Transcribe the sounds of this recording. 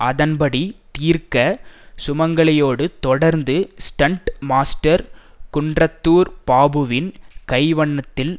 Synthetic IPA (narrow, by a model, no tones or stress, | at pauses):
ʔɐðɐnpɐɽit̪iːɾkɐsʊmɐŋɡɐɭɐjoːɽɯt̪ɔɽɐɾnd̪ɯsʈɐɳʈmaːsʈɐɾ | kʊɳdrɐt̪ːuːɾpaːbɯʋɪnkɐɪʋɐɳːɐt̪ːɪl